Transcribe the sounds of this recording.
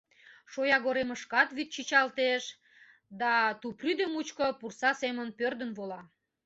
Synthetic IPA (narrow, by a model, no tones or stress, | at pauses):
ʃojɑɣoɾeməʃkɑt̪βyt̪̚t͡ɕit͡ɕɑlt̪eʃ | d̪ɑt̪upryd̪əmut͡ɕkəpursɑsemənpørd̪ənβolɑ